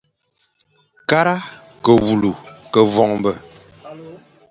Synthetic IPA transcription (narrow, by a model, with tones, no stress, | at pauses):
ka˦ɾa˦ | kə˨wu˨lu˨kə˨vɔ˨ŋmbə˨